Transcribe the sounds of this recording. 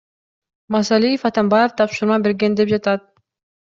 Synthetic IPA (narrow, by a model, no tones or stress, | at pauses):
mɑsɑlʲijefɑt̪ɑmbɑjeft̪ʰɑpʃuɾmɑbe̞ɾɡʲend̪ep̚d͡ʒɑt̪ɑt̪̚